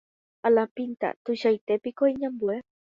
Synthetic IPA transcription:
alapint̪a̰t̪uʃajt̪epikoiɲãmbue

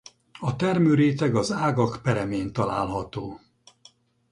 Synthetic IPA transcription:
ɒt̪ɛrmøːɾeːt̪ɛɡɒzaːɡɒkpɛɾɛmeːnt̪ɒla̰ːlɦɒt̪oː

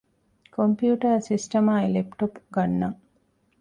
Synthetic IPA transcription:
kompjuːʈɐɾsisʈɐmaːilepʈopɡɐnːɐ

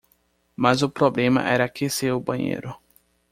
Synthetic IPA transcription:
mazʊpɾoblẽmɐ̰ʔɛɾɐkeseʊbɐ̃ɲḛjɾʊ

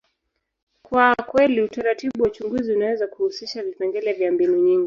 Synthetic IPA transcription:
kwakwɛliutaɾatiɓuwat͡ʃuŋɡuziunawɛzakuhusiʃavipɛŋɡɛlɛvjambinuɲiŋɡi

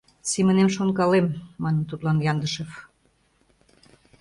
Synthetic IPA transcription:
simə̆nemʃonkɑlemːɑnə̆mt̪ut̪lɑnjɑnd̪əʃɤf

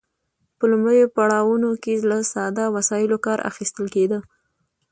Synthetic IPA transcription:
pəlʊmɽəjopaɽɑwunokelasɑd̪ɑwasɑjɪlokɑɾʔa̰xist̪əlked̪ə

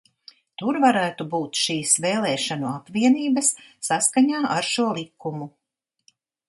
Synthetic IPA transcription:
t̪uɾvaɾæːt̪ubuːt̪ʃiːsvɛːlˠɛːʃanuapviɛniːbɐsːaskaɲaːʔaɾʃuɔlˠikumu

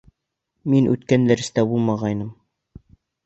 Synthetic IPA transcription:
minʔʉ̰t̪kænd̪æɾɘ̆st̪æbulˠmɑʁɑjnɤm

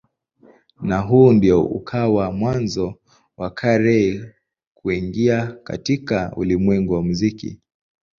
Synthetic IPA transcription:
naɦuːndiɔṵkʰawamwanzɔ | wakʰaɾɛ | kuiŋɡiaka̰tikaṵlimwɛŋɡuwamuzikḭ

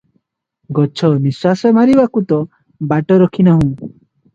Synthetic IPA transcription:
ɡɔt͡ʃʰɔniswasɔmaɾibakut̪ɔ | baʈɔɾɔkʰinaɦũ

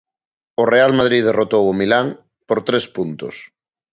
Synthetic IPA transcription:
ʊrealmað̞ɾiðerot̪owʊmilaŋ | poɾt̪ɾespunt̪ʊ̰s

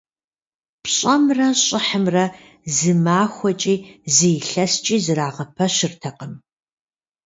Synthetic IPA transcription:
pɕʼɐmrɐɕʼɪħəmrɐ | zɨmaːxʷɔt͡ʃʼiːziːɬɐst͡ʃʼiːzɨɾaːʁɐpʰɐɕɪrtʰɐqəm

